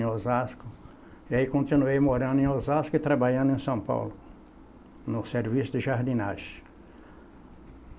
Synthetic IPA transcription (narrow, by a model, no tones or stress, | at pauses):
ozaskʊ | ɪaikõnt̪inuejmoɾɐ̃nd̪ʊẽozaskʊɪt̪ɾabaʎɐ̃nd̪ʊẽsɐ̃w̃pa̰wlʊ | nʊseɾvisʊd̪ɪʒaɾd̪inaʒ